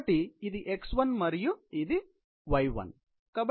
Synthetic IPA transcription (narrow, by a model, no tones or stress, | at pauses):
ʈiːd̪iʔeksʋɐnmɐɾijuid̪i | ʋɐjʋɐ̰n | kɐb